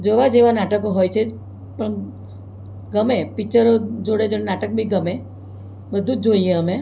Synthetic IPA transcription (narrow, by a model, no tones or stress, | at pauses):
d͡ʒoʋad͡ʒeʋanaʈəkoɦojt͡ʃʰe | pəɳ | ɡəmepit͡ʃəɾod͡ʒoɽed͡ʒonenaʈək̚bʱĩɡəme | bəd̪ʱũd͡ʒoieəme